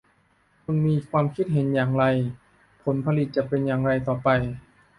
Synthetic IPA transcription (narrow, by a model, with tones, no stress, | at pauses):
kʰu˧nmiː˧kʰwaː˧mkʰi˦˥t̪̚ɦe˩˦njaː˨˩ŋɾa˧j | pʰo˩˦npʰa˧li˨˩t̪̚t͡ɕa˨˩pe˧njaː˨˩ŋɾa˧jt̪ɔː˨˩pa˧j